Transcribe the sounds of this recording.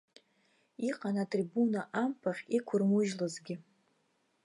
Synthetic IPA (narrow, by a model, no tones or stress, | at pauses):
iqʼanatʼribunaʔampʰaχʲikʷʰʊrmuʒlɨzɡʲɪ